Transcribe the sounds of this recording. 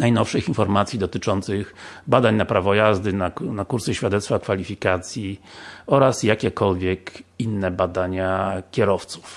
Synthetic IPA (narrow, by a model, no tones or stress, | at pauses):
najnɔfʂɘxinfɔɾmat̪sʲjid̪ɔt̪ɘt͡ʂɔnt̪sɘxbad̪aɲnapɾavɔjazd̪ɘnanakuɾsɛɕfʲjad̪ɛt̪st̪fakfalʲifʲikat̪sʲjiɔɾasjakʲɛkɔlvʲjɛkinːɛbad̪aɲakʲɛɾɔft̪su̥f